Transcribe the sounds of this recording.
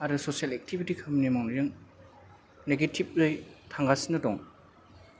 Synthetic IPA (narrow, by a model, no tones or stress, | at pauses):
aɾusosialɛk̚tʰibitikʰɐmnimaŋnɾɯŋ | neɡetʰip̚lɯjtʰaŋɡasinɯtɔŋ